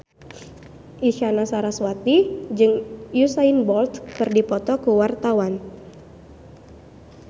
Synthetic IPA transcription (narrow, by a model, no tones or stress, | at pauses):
ʔiʃanasaɾaswat̪id͡ʒɨŋjusainbɔlt̪kɨrdipɔt̪ɔkuwart̪awan